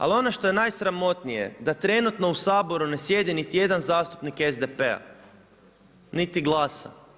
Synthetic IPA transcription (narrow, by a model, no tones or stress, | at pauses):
a̰lio̞noʃt̪o̞je̞naːjsɾamo̞t̪nije̞̰d̪at̪ɾe̞nut̪no̞usaːbo̞ɾune̞sje̞d̪init̪ije̞d̪anzaːst̪u̥pnikezd̪epea̰ | nit̪iɡlˠaːsa̰